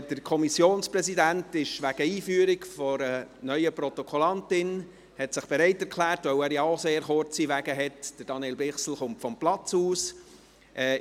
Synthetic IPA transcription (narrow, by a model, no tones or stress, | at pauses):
d̥əɾkʰɔmisjoːnsprɛsidæntɪʃʋæɡ̥əiːfyːɾɪkfɔɾənœʏəpɾɔt̪ɔkʰɔlɑntɪn | hɛtsɪχb̥ɛɾɛɪtɛɾkʰlæːrtvœwæːɾjɑoseːɾχʊɾt͡siʋæɡəɦɛtd̥əɾd̥ɑnieːlbɪχsl̩χʊmtfɔmplɑt͡suːs | ʔɛ